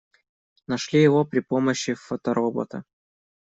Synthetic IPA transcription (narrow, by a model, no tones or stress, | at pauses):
nɐʂlʲijɪvopɾʲɪpoməɕːɪfot̪ɐɾʔobo̰t̪ə̰